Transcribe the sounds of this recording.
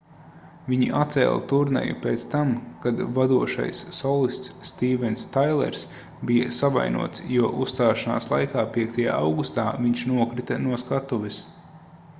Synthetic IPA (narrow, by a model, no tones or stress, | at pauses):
viɲiʔat̪sɛ̰ːl̰ˠt̪uɾnɛ̰jṵpeːt̪st̪amkad̪vad̪uɔʃa̰jsːɔlˠist̪sːt̪iːvɛnst̪ajlˠɛ̰ɾs | bijɐ̰sava̰jnṵɔt̪sjuɔʔusːt̪aːʃana̰ːslˠa̰jkaːpiɛk̚t̪aja̰ːawɡust̪aːviɲʃnuɔkɾit̪ɐnuɔskat̪uʋis